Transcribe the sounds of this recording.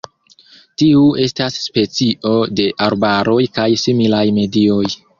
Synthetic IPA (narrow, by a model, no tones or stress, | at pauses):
tiue̞stasːpe̞t͡siʔo̞de̞ʔaɾbaɾo̞jkajsimilajme̞dio̞j